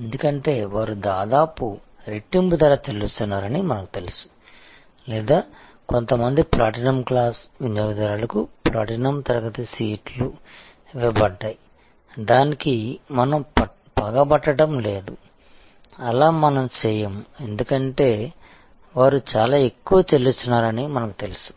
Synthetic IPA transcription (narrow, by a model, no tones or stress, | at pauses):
end̪ukɐɳʈe̞ːʋaːɾud̪aːd̪aːpu | ɾeʈːimbud̪ɐɾaːt͡ʃ̪elust̪unːaːɾɐnimɐnɐku̥t̪e̞lisu̥ | lɛːd̪aː | ko̞nt̪ɐmɐnd̪ipɾaːʈinɐmklaːsʋinjɐːʋd̪ɐɾaːlɐkupɾaːʈinɐmt̪ɐɾɐɡɐt̪isiːʈlu | ʋɛbɐɖːaːji | d̪aːnikimɐnɐm | pɐɡɐbɐʈːɐɽɐmle̞ːd̪u | ɐlaːmɐnɐmt͡ʃɛːjɐme̞nd̪ukɐɳʈe̞ː | ʋaːɾut͡ʃaːlaːe̞kːuʋɐt͡ʃelːust̪unːaːɾɐnimɐnɐku̥t̪e̞lisu̥